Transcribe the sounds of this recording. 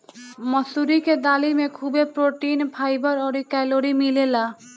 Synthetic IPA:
məsuɾiked̪aːlimẽkʰubepɾoʈinpʰaːjbəɾɔːɾikɛloɾimilela

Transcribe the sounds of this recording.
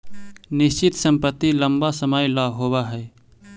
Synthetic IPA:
nɪst͡ʃɪt̪sə̃mpət̪ːiləmbasəmajlaːɦoːbaɦɛː

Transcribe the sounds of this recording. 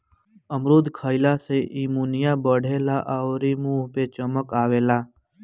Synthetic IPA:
əmɾud̪ʱkʰəjlaseʔimunijabəɽ̤elaʔaʋɾimũpet͡ʃəməkaːʋela

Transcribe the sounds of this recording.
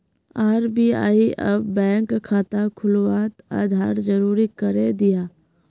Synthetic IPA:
aːɾbiːa̰ːiʔɐ̰bbɛ̃ːŋkkʰːaːt̪akʰʊlwaːt̪a̰ːd̪ʱaːɾd͡ʒəɾuːɾikəɾed̪ɪjaː

